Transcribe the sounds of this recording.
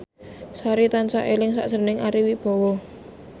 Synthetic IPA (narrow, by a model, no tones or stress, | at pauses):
saɾit̪ansa̰ʔelɪŋsa̰ʔsənɪŋaɾiwib̥ɔ̤wɔ